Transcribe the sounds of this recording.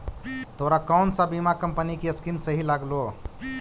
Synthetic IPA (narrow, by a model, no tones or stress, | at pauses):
t̪oɾakaʊnsãbimakəmpənikeəskimsəɦilaɡlo